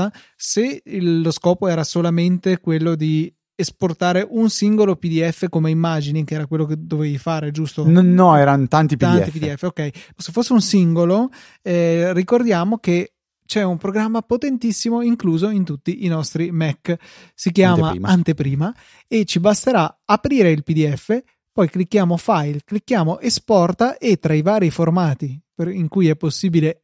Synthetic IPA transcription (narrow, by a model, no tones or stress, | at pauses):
a | seːoskɔːpoɛːɾasolament̪ekwelːod̪i | esport̪aːɾeʔunsiŋɡolopid̪iɛfːekomeimːaːd͡ʒinikɛːɾakwelːoked̪ːovejfaːɾed͡ʒust̪onːɔɛːɾant̪ant̪ipt̪anipid̪iɛfːeokɛjsefːosːeunsiŋɡolo | ɛrikord̪jaːmoke | t͡ʃɛumpɾoɡɾamːapot̪ent̪isːimoiŋkluːzoint̪ut̪ːiʔinɔst̪ɾimɛkː | sikjaːmaant̪epɾiːma | et͡ʃːibast̪eɾaapɾiːɾeilpid̪iɛfːe | pɔjklikːjaːmofajlklikːjaːmoʔespɔrt̪aʔet̪ːɾaivaːɾiformaːt̪ipeiŋkujɛpːosːiːbile